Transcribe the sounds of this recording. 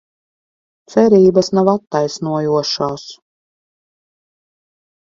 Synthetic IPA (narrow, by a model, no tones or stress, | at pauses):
t̪sɛɾiːbasnavat̪ːajsnuɔjuɔʃaːs